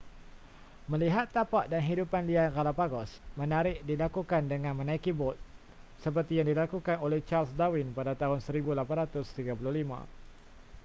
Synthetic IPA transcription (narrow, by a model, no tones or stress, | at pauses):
mə̃liɦat̪ːapaʔdanɦidupanliakalapaɡɔsmə̃naɾɪʔ̚dilakukandəŋãnmə̃naikibɔt̪̚ | səp̬ərt̪ijaŋdilakukanolɛht͡ʃalsdawɪnpadat̪aɦʊnsəɾibulapanɾat̪ʊst̪iɡapulʊhlimã̰